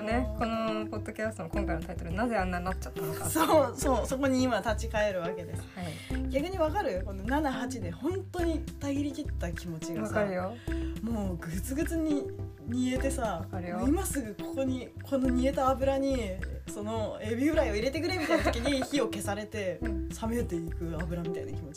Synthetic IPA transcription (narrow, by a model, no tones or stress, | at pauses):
neko̞nopo̞d̪̥ːo̞kʲasɨ̥t̪omkõ̞ŋkaint̪ai̥t̪oɾɯ̟nazeãnːanatt͡ɕt͡ɕḁt̪ːanokasoso̞ːso̞ko̞ɲ̟iːmat̪at͡ɕikae̞ɾɯ̟βake̞d̪e̞sɨ̥iɡʲakɯ̟ɲ̟iβakaɾɯ̟ko̞no̞nanaɦat͡ɕid̪e̞hõ̞nt̪o̞ɲ̟it̪aɡʲiɾʲik̪ʲit̪ːakʲimo̞t͡ɕiɡaasaɾɯ̟jomo̞ːɡɯt͡sɨɡɯ̟t͡sɨɲ̟i | ɲ̟ie̞t̪e̞sakaɾɯjoimasɨɡɯ̟kʰo̞ko̞ɲ̟i | kʰo̞no̞ɲ̟ie̞t̪aːbɯ̟ɾaɲ̟iso̞no̞ebʲibɯ̟ɾaio̞iɾe̞t̪e̞kɯ̟ɾemʲit̪ainat̪okiɲiçio̞ke̞saɾe̞t̪e̞same̞t̪e̞ikɯ̟abɯ̟ɾamʲit̪aḭna̰kʲimo̞t͡ɕi